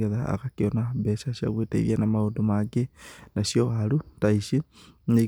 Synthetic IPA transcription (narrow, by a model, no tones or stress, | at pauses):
eðaa̰ɣakionabesaʃia̰ɣweteḭðianamaodomaɡenasioaɾutaiʃine